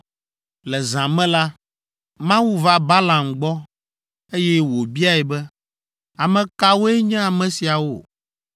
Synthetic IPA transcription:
lɛ˨zã˨mɛ̃˦la˦ | mã˦wu˦va˦ba˦lã˨mɡ͡bɔ˦ | e˦jɛ˦wo˨bi˦a˦ɛ˨bɛ˦ | a˨mɛ̃˨ka˦wo˦ɛ˦ɲɛ̃˦a˨mɛ̃˨si˨a˨wo̰˦˨

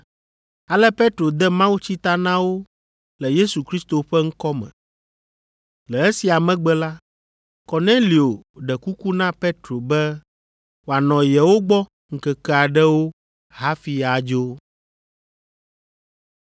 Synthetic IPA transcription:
a˨lɛ˦pe˦t̪ɾo˨d̪ɛ˦mã˦wu˦t͡ɕi˦t̪a˦nã˦wo˦ | lɛ˨je˦su˨kɾi˦st̪o˨ɸɛ˦ŋ̩˦kɔ˦mɛ̰̃˨ | lɛ˨ɛ˦si˨a˨mɛ̃˦ɡ͡bɛ˦la˦ | kɔ˨nẽ˦li˨o˨ɖɛ˨ku˦ku˦nã˦pe˦t̪ɾo˨bɛ˦ | wo˨a˨nɔ̃˨jɛ˨wo˦ɡ͡bɔ˦ | ŋ̩˨kɛ˨kɛ˦a˨ɖɛ˦wo˦ | ha˦fi˨a˨d͡ʒo˦

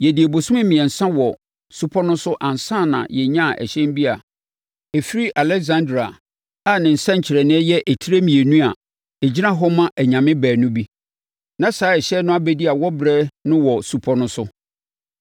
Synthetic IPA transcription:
jɛ˨di˨e˨bo˨sʊ̃˦mɪ̃˦mɪ̃˨ɛ˨n̩˨sã˦wɔ˨ | su˦pʰɔ˦nʊ̃˦sʊ˦ʔã˨n˨sã˦˨nã̰˨jɛ˨ɲã˦˨ʔɛ̰˨ɕɛ̃˦m˦bi˦a˨ | ɛ˨fi˦ɾi˦ʔa˨lɛ˦kzã˦ndɾa˨ | a˦˨nɪ̃˨n̩˨sã˦ɲ̩˨t͡ɕʰɪ˨ɾɛ˨nɪ̃˦ɛ˦jɛ˦ʔɛ˨tʰi˦ɾe˦mĩ˨e˨nũ˦a˨ | ɛ˨d͡ʑi˦nã˦ɦɔ˦mã˦ʔæ˨ɲã˨mɪ̃˦bæː˨nʊ̃˦bi˦ | nã˦saː˨˦ɛ˨ɕɛ˦nʊ̃˦a˦bɛ˦di˦a˨wɔ˦bɾɛː˦nʊ̃˦wɔ˨su˨pʰɔ˦nʊ̃˦sʊ˦

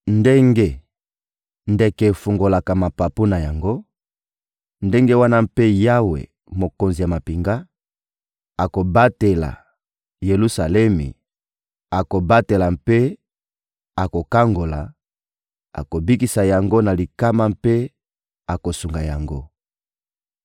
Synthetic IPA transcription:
nde˦ŋɡe˦ | nde˦kɛ˨fu˨ŋɡo˨la˨ka˨ma˨pa˨pu˦na˨ja˨ŋɡo˦ | nde˦ŋɡe˦wa˦na˦mpe˦ja˦wḛ˨ | mo˨ko˨nzi˨ja˨ma˨pi˨ŋɡa˦ | a˨ko˨ba˦te˨la̰˨ | je˨lu˦sa˨lɛ˦mḭ˨ | a˨ko˨ba˦te˨la˨mpe˦ | a˨ko˨ka˦ŋɡo˨la̰˨ | a̰˨ko˨bi˦ki˨sa˨ja˨ŋɡo˦na˨li˨ka˦ma˦mpe˦ | a˨ko˨su˨ŋɡa˨ja˨ŋɡo˦

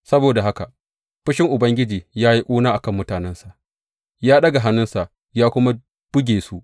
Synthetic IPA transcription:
sɐ˦boː˨da˨ɦa˦ka˨ʔ | ɸɪ˦ʃɪ˦ŋʔʊ˨bɐ˦ŋɡʲɪ˦d͡ʒiː˨jaː˦ji˦ʔʷʼuː˦naː˦ʔa˨kɐ˦˨mːʊ˦taː˨nɛ˦nsa˨ʔ | jaː˦ɗɐ˦ɡa˨ɦa˦nːʊ˦nsa˨ʔ | jaː˦kʷʊ˦ma˦ | b̥ʊ˦ɡʲeː˨su˦ʔ

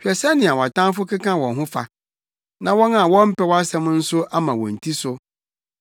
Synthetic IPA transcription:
hᶣɛ˨sɛ˦nɪ̃˨a˨wɔ˨a˨tã˦nfʊ˦kɪ˦kã˦wɔ̃˨nɦʊ̃˦fa̰˨ | nã˨wɔ̃˦na˨wɔ̃˦m̩˦pɛ˦wɔ˦a˦sɛ̃˦m˦n̩˦sʊ˦a˦mã˨wɔ̰̃˨n̩˨tʰi˦sʊ˦

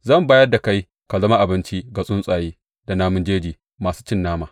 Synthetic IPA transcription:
zɐ˦˨mbaː˦jɐ˦rda˨ka˦j | ka˨zɐ˦ma˦ʔa˨bɪ˦nt͡ʃi˦ɡa˨sʼʊ˦nsʼaː˨jeː˦ | da˨naː˦mʊ˦nd͡ʒeː˦d͡ʒiː˨ | maː˨suː˦t͡ʃɪ˦nːaː˦maː˨

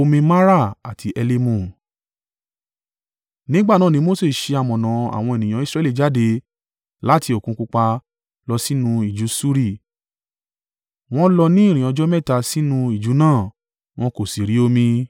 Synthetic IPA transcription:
o˧mĩ˧ma˦ɾa˦˨a˨tʰi˧ʔɛ˧le˧mũ˦˨ | nĩ˦ɡ͡ba˦˨nã˦˨nĩ˦mo˦se˦˨ʃe˧a˨mɔ̃˨nã˨a̰˨w̃ɔ̃˧e˨nĩ˨j̃ã˨˦i˦˧sɾɛ˧˨li˦˨d͡ʒa˨˦de˧ | la˦ti˧o˨kũ˨˦ku˧k͡pa˧ | lɔ˧si˦nũ˧i˨d͡ʒu˨˦su˦ɾi˦˨ | w̃ɔ̃˦lɔ˧nĩ˦ĩ˦˨ĩ˨ɔ̃˨˧d͡ʒɔ˦mɛ˦˨ta˧si˦nũ˧i˦˨d͡ʒu˨˦nãː˦˨ | w̃ɔ̃˦ko˨si˨ɾi˨˦o˧mĩ˧

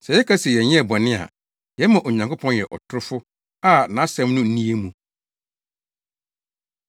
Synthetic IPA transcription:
sɛ˨jɛ˦kʰa˦sɛ˨jɛ˨ɲɪ̃˦ɛ˨bɔ˨nɪ̃˦a̰˨ | jɛ˦mã˨ʔo˨ɲã˨ŋkʰʊ˦pʰɔ̃˦njɛ˨ʔɔ̰˨tʰʊ˦ɾʊ˦fʊ˦ | a˦˨nã˨˦sɛ̃˦mnʊ̃˦n̩˦nĩ˦e˦mũ˨

